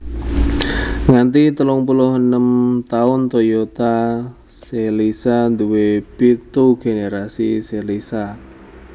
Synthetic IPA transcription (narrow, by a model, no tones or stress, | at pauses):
ŋant̪it̪əlʊŋpulʊhənəmt̪aʊnt̪ojot̪a | selisand̪uwepit̪uɡ̥eneɾasiselisa